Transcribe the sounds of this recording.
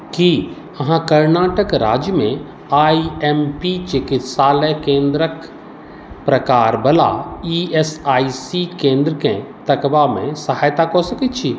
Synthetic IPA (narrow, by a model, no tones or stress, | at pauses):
ki | ɐɦãkɐɾnaːʈəkɾa̰ːd͡ʒjəmẽ | aːiempit͡ʃɪkɪt̪saːləkẽːnd̪ɾək | pɾɐkaːɾbɐla̰iesaːisikẽːnd̪ɾəkẽt̪ɐkbamḛ̃sɐɦaːjt̪akosɐkit̪t͡ʃʰi